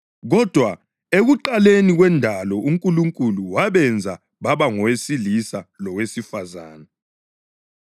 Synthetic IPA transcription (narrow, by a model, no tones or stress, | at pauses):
ɣɔd̥ʱwa | eɣuǃaleniɣwɛndʱalɔuŋkʼuluŋkʼuluwaβɛnd͡zʱa | βaβaŋɔwesilisalɔwesifazaːna